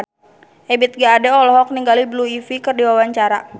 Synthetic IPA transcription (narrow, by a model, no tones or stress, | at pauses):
ɛbit̪̚ɡaːdɛɔlɔɦɔk̚niŋɡalibluifikɨrdiwawaɲt͡ʃaɾa